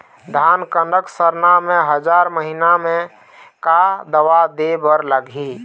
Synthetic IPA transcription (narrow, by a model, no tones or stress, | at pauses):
d̪ʱankəɳɖəksəɾnameɦəd͡ʒaɾməɦinamẽ | kad̪əʋad̪ebəɾləɡi